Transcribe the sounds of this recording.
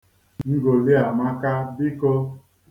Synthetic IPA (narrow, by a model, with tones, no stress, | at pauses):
ŋŋ̩˦ɡo˨li˦a˨ma˦ka˦bɪ˦ko˦